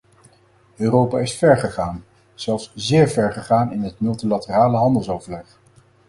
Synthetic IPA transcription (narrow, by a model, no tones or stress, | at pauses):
øːrowpaːɪsfɛɹχəχaːn | z̥ɛlˠfszɪːɹvɛɹχəχaːnɪnɦətmɵlˠtilatəraːləɦɑndəlˠsowvəɹlɛχ